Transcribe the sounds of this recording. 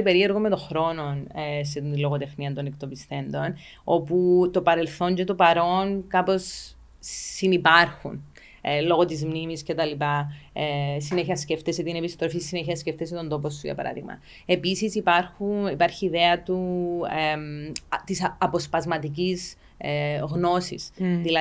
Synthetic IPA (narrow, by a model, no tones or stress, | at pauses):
ipe̞ɾieɾɣomːe̞t̪o̞xɾo̞no̞nset̪inlo̞ɣot̪e̞fniɐnt̪o̞nekt̪o̞pisθe̞nd̪o̞n | o̞put̪o̞pɐɾe̞lθo̞ɲɟet̪o̞pɐɾo̞nkɐpo̞sː | inipɐɾxṵn | lo̞ɣot̪izmnimisce̞t̪ɐlipɐ | sineçiɐsceft̪eset̪ine̞pist̪ɾofisːineçiɐsceft̪es̬et̪o̞nd̪o̞posːuʝɐ̰pɐ̰ɾɐ̰ðḭɣmɐ̰ | e̞pisisipɐɾxunipɐɾçiːðeɐt̪uemt̪isɐpo̞spɐzmɐt̪icis | ɣno̞sḭsðilɐ